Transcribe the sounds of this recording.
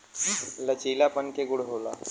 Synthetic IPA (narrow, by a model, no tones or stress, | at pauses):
lət͡ʃiːlapənkeɡʊɽɦoːla̰ː